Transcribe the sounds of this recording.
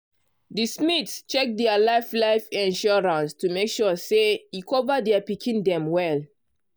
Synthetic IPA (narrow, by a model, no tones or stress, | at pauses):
dismitst͡ʃɛk̚dɛalaɪflaɪfɛ̃nʃɔɹãnstumekʃɔseikʰɔvadɛapikʰĩndɛ̃mwɛl